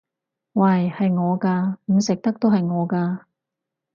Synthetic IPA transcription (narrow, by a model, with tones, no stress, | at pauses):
wa˨˩jhɐ˨jŋɔː˨˧kaː˧m̩˨˧sɪ˨k̚t̪ɐ˥k̚t̪o˥whɐ˨jŋɔː˨˧kaː˧